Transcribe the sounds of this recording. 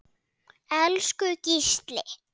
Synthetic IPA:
ɛlskʏcist̪lɪ̰

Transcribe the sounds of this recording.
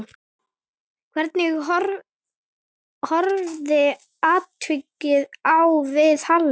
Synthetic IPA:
kʰvɛɾt̪̚nɪɣɔɾ | hɔɾvðɪ | aːt̪vʏcːɪðawvɪðhalː

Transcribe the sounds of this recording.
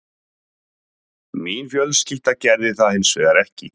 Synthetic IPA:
miːnfjœlscɪl̥t̪acɛɾðɪθaðhɪnsvɛːɣaɾɛhcɪ

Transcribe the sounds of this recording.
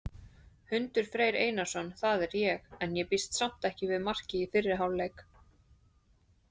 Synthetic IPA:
hʏnt̪ʏɾ̥fɾeːjɾḛːjnasɔnθaðɛɾjɛxɛnjɛpist̪sam̥t̪ɛhcɪvɪðmar̥cɪifɪrːɪɾɦawllːejk

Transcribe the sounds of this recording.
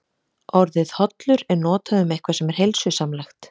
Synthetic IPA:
ɔɾðɪðhɔt̪lʏɾɛɾnɔːt̪aðʏmɛjhkvḁsɛmɛɾ̥hejlsʏsamlaxt̪

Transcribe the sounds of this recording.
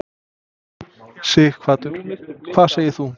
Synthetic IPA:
sɪːkʰvaːt̪ʏɾ̥kʰv̥aːðseːjɪɾ̥θu

